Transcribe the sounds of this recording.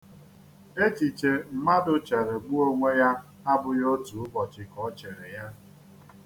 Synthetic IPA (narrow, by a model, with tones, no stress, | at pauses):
e˦t͡ʃi˨t͡ʃe˨m̩˦ma˦dʊ˨t͡ʃa˨ɾe˨ɡ͡bu˦o˦ŋʷe˦ja˦ | a˦bʊ˨jo˦tu˨ʊ˦bɔ˨t͡ʃɪ˨kɔ˦t͡ʃe˨ɾɪ˨ja˦